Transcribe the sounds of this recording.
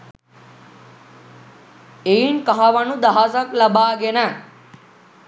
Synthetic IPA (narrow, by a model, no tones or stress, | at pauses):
einkɐɦaʋɐnud̪ɐɦasɐklɐbaːɡena